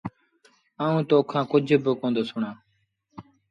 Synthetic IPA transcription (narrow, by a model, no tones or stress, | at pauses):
aːũːt̪oːkʰãːkʊd͡ʒʱbɪkõːnd̪oːsʊɳãː